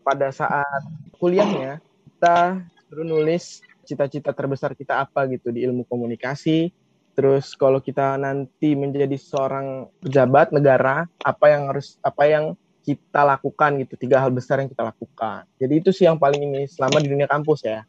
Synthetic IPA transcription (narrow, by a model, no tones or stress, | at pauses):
padasa̰ʔat̪̚kuliahɲakit̪atəɾunulɪs | t͡ʃit̪at͡ʃit̪at̪ərbəsarkit̪aːpaɡit̪udiːlmukomunikasi | t̪əɾʊskalawkit̪anant̪iməɲd͡ʒadisəoɾaŋpəd͡ʒabat̪̚nəɡaɾaːpajaŋhaɾʊsapajaŋ | kit̪alakukanɡit̪ut̪iɡaɦalbəsarjaŋkit̪alakuka̰nd͡ʒadiːt̪usɪhjaŋpalɪŋinɪsəlamadiduniakampʊsja